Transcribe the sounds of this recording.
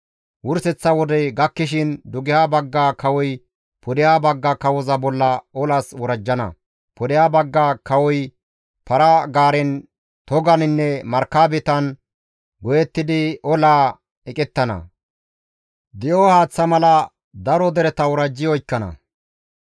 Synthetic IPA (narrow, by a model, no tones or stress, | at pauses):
wʊɾsɛt͡sːɐwɔd̪ɛɡɐkːɪʃ̬ɪnd̪ʊɡɪjaːbɐɡːaːkɐwɔj | pʰɔd̪ɪjaːbɐɡːakɐwɔzɐbɔlːɐɔlaswɔɾɐd͡ʒːɐnɐ̰ | pɔd̪ɪjaːbɐɡːakɐwɔj | pɐɾaɡaːɾɛn | t̪ɔɡɐnɪnːɛmɐɾkaːbɛt̪ɐn | ɡɔjɛt̪ːɪd̪ɪʔɔlaː | ɛkʼɛt̪ːɐnɐ̰ | d̪ɪjoːhaːt͡sːɐmɐlɐ | d̪ɐɾɔd̪ɛɾɛt̪ɐwɔɾɐd͡ʒːɪjɔjkːɐnɐ̰